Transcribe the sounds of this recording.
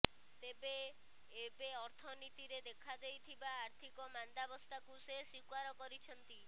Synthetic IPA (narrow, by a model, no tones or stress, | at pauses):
t̪ebeː | beɔɾt̪ʰɔnit̪iɾed̪ekʰad̪ejt̪ʰibaːɾt̪ʰikɔmand̪abɔst̪akusesikwaɾɔkɔɾit͡ʃʰɔnt̪i